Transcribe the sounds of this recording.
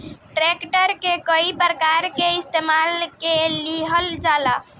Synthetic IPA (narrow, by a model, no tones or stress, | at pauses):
ʈɾekʈəɾkekəipɾəkaɾkeist̪emalkeliɦəld͡ʒala